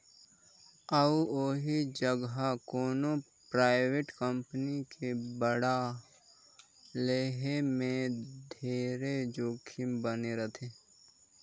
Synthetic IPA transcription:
əoːɦid͡ʒəɡɦakoːno | pɾaːɪweʈkəmpənikʰebəɽa | leːɦemẽd̪ʱeːɾed͡ʒoːkʰimbəneɾət̪ʰe

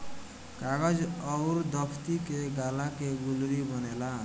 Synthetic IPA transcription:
kaɡad͡zʌɾd̪ʌpʰt̪ikeɡalakeɡuluɾibʌnela

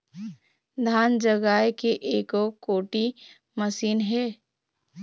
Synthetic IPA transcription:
d̪ʱaːnd͡ʒəɡaːekeʔeːkokoːʈi | məsiːnɦɛː

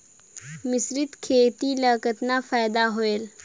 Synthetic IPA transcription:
mɪsɾɪd̪kʰeːt̪ilaːkət̪nafaːjd̪aɦoeːl

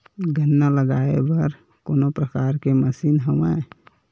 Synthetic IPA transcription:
ɡʱənːaləɡaḛbəɾ | koːnopɾəkaːɾkeməsinɦəme

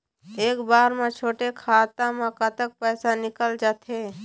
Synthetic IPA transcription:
eːkbaːɾmẽt͡ʃʰoːʈekʰaːt̪ãmẽkət̪ək̚pɛːsanɪkəld͡ʒaːt̪e

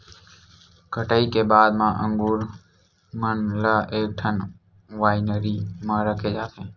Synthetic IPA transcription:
kʰəʈaːiːkeːbaːd̪mãːʔəŋɡuːɾ | mənlaːʔeːk̚ʈʰən | ʋaːinəɾiːmãːɾəkʰeːd͡ʒaːt̪ẽː

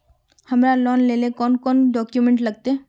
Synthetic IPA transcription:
hɐmɾalɔːnleːlekɔːnkɔːnɖɔːkjumẽɳʈlɐɡ̚t̪e

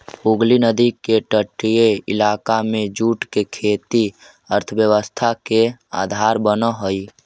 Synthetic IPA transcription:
uɡlinəd̪ikeʈəʈːijeɪ̰laːkamed͡ʒuʈkekʰeːt̪i | əɾt̪ʰəbjəwəst̪ʰakea̰d̪ʱaɾbənəɦoi

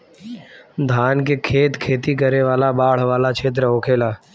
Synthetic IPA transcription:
d̪ʱaːnkekʰeːt̪kʰeːt̪ikəɾeʋaːlabaːɽ̤ʋaːlat͡ʃʰeːt̪̬ɾəoːkʰeːlaː

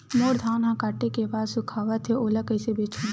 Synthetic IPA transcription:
moːɾd̪ʱaːnɦãkaːʈːekebaːd̪sʊkʰaːʋət̪ʰːeoːlɐkəɪsebeːt͡ʃʰõː

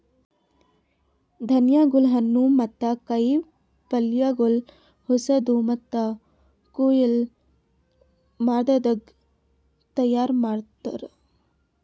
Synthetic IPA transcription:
d̪ʱɐnjaːɡulɦɐnːumɐt̪ːɐkɐj | pɐljaːɡul | husɐd̪umɐt̪ːɐ | kuːjil | maːd̪ɐd̪ɐɡ | t̪ɐjaːɾmaːɽt̪ɐɾe

